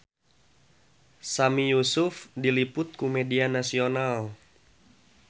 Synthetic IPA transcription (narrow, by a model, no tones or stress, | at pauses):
samijusufdilipʊt̪̚kumɛdianasional